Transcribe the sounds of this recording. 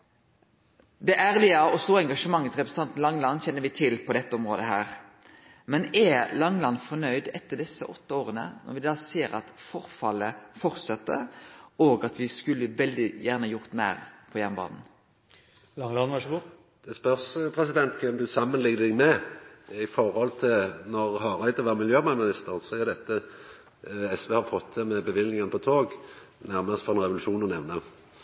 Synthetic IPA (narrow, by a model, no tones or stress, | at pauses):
d̪ɛʔæːɾlɪəɔst̪uːɾɛŋɡɑʂəmɑŋːət̪sɾɛpɾəsn̩t̪ɑnt̪n̩lɑŋlɑnːçɛnːəɾʋɪt̪ʰɪlpʰɔd̪ɛt̪ːəɔmʁoːd̪əɦæːɾ | mɛnɛlɑŋːlɑnfɔnœʏd̪ɛt̪ːəɖ̪ɛsːə̰ʔɔt̪ːəoːɾənə̰nɔ̰ɾʋɪd̪ɑːseːɾɑ̰t̪fɔʁfɑlːəfɔɾt̪sɛt̪ːə̰ɾoːɡɑt̪ʋɪskʉlːəʋɛld̪ɪjæːʁnəjʊɾt̪mæːʁpʰɔjɛnbɑ̰ːnn̩ | lɑŋəlɑnʋɑʂbu | d̪̥ɛspœʁsəpʰʁɛsɪd̪ɛnt̪kʰɛmd̪ʉsɑmːənlɪŋd̪ɪŋmɛ | ɪfɔʁhɔlt̪ʰɪlnɔʁhɑːʁæɪd̪ɔʋæːʁmɪljøːmɑmɪnɪst̪əʁənsɔæɾd̪ɛt̪ːə | ɛsʋeːhɑfɔt̪ʰːd̪ɛmɛbəʋɪlnɪŋənəpɔt̪ʰoːɡ | næʁməsfɔʁɛnʁɛʋʊlʉʃuːnɔnɛʋnə